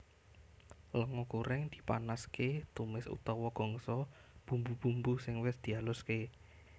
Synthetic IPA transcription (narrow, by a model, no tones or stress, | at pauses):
ləŋɔkuɾɪŋd̪̥i̤̥pa̰nasket̪umɪsṵt̪ɔwɔɡ̥ɔ̤ŋsɔb̥ṳmbub̥umbusɪŋwɪsd̪̥i̤alʊske